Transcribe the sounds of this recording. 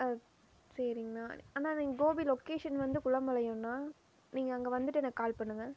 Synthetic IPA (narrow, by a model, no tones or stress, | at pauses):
sɐɾɪŋɡɐnaːaːnaːniɡoːbilɔkeːʂɐnʋɐnd̪ɯkʊɭɐmbɐlɐjʊ̃nːaː | niːŋɡɐːŋɡɐʋɐnd̪ɯʈːɯɛnɐkːkːaːlpɐɳːɯŋɡɐ